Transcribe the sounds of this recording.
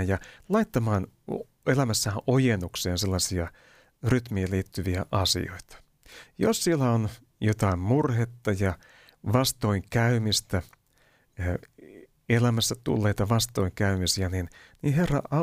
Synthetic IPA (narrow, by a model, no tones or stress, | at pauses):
njɑlɑit̪ːɑmɑːn | elæmæsːæʔojenukseːnselːɑsiɑ | ryt̪miæliːt̪ːyʋiæʔɑsḭo̞̰it̪ɑ̥ | jo̰ssielːæon | jot̪ɑimmurhet̪ːɑjɑ | ʋɑst̪o̞iŋkæymist̪æ | elæmæsːæt̪ṵlːe̞it̪ɑʋɑst̪oiŋkæymisiæninniherːɑ̰ɑ